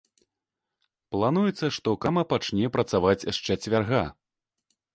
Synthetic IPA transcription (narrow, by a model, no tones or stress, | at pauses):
plˠanujɛt̪sːɐʂt̪ɔkamɐpat͡ʂnʲɛpɾɐt̪savat͡sʲaʂt͡ʂɛt͡sʲvʲarɣa